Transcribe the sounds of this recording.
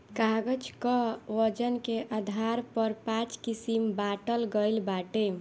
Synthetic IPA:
kaɡəd͡ʒkɔʋəd͡ʒənkeʔad̪ʱaɾpəɾpãt͡ʃkisimbaʈəlɡəjlbaʈe

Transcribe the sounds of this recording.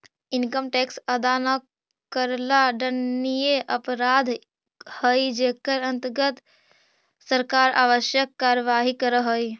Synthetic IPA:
inkəmʈeksəd̪anə | kəɾlaɖənːijeʔəpɾad̪ʱ | həjd͡ʒekəɾənt̪əɾɡət̪ | səɾkaɾa̰ːʋəʃjəkːaɾəʋaɦikəɾəɦəj

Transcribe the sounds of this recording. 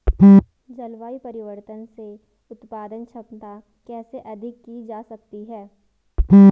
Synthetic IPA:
d͡ʒɐlʋaːipɐɾɪʋəɾt̪ənse | ʊt̪paːd̪ənt͡ʃʰɐpt̪a | kɛːseʔɐd̪ʱɪkːid͡ʒaːsɐk̚t̪iɦɛː

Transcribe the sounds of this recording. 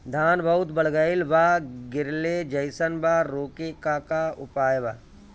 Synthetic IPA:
d̪ʱaːnbʱɐʊt̪bəɽɡəɪlʋaːɡɪɾled͡ʒəɪsənbaːɾoːkekaːkaʊpaːjʋaː

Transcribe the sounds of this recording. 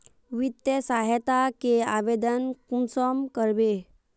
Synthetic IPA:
ʋit̪jəsaɦət̪akeaʋed̪ənkumsɔmkəɾbe

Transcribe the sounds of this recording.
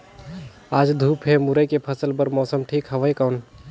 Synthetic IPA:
ad͡ʒd̪ʱupʰemuɾəjkepʰəsəlbəɾmɔsəmʈʰikɦəʋəjkawn

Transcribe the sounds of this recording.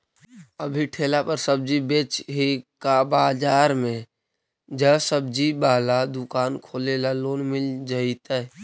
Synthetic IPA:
əbʱiʈʰeːlapəɾsəb̚d͡ʒibeːt͡ʃɦekabaːd͡ʒaːɾmẽ | d͡ʒəsəb̚d͡ʒibaːlad̪ʊkaːnkʰoːlelaloːnmɪld͡ʒait̪aɛ

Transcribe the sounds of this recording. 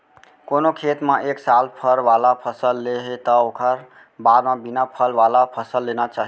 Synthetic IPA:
konokʰet̪mẽʔeksalpʰəɾʋalapʰəsəlːeɦet̪əokʰəɾ | baɾmẽbinapʰəlʋalapʰəsəlːenat͡ʃaɦi

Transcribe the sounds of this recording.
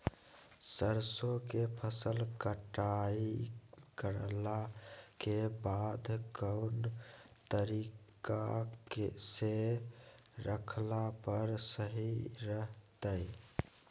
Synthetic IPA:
səɾsokepʰəsəlkəʈaikəɾlakebad̪ʱkəʊnt̪əɾikakese | ɾəkʰlapəɾsəɦiɾəɦt̪əɪ

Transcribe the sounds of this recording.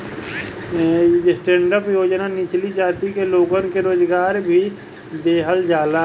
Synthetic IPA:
sʈẽːɳɖəpjoːd͡ʒnanɪt͡ʃlid͡ʒaːt̪ikeloːɡənkeɾoːd͡ʒɡaːɾbʱi | d̪eːɦəld͡ʒaːla

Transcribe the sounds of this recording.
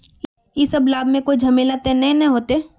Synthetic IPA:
jesɐblaːbʱmẽkoːid͡ʒʱɐmeːlat̪enɐɦĩnɐɦɦoːt̪eː

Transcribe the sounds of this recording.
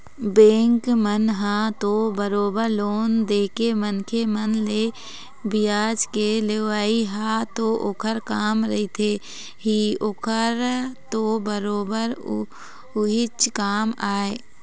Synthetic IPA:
bẽːŋkmənɦãt̪obəɾoːbəɾloːnd̪eːkemənkʰemənle | bɪjaːd͡ʒkeleʋaːiɦaːt̪oʔokʰəɾkaːmɾɐɦit̪ʰe | ɦiokʰəɾt̪obəɾoːbəɾ | ʊɦɪt͡ʃkaːmaːe

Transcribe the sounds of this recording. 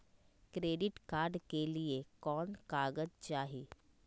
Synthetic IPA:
kɾeːɖɪʈkaːɾɖkeliekɔːnkaːɡəd͡ʒt͡ʃaːɦiː

